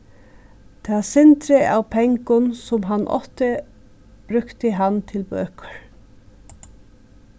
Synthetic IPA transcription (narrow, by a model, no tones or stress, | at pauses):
d̪̥ʰeʋɑːsɛnt̪ɾəʔɑ̰ːʋpʰɛŋkʊnsɔmɦɑnʔɔ̰t̪ə | b̥ɾʉkt̪əɦɑnt̪ʰɪlbø̰ːkə̥ɹ